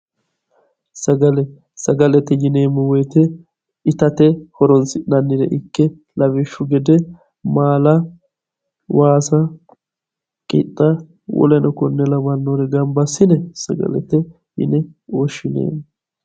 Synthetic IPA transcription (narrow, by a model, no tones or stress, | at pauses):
sɐɡɐlɛ | sɐɡɐlɛt̪ɛjɪneːmːʊwɔjt̪ɛ | ɪt̪ɐt̪ɛhɔɾɔnsɪnɐnːɪd̪ɛ̰ʔɪkːɛ | lɐβɪʃːʊɡɛd̪ɛ | maːlɐ | waːsɐ | kʼɪ̰t̪ʼːɐ | wɔ̰lɛnɔkɔnːɛlɐbɐnːoːɾɛɡɐmbɐsːɪnɛsɐ̰ɡɐ̰lɛ̰t̪ɛ | jɪ̰nɛɔʃːɪnḛːm